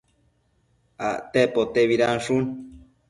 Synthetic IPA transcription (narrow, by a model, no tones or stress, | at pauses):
aʔt̪epot̪eβiɾanʂun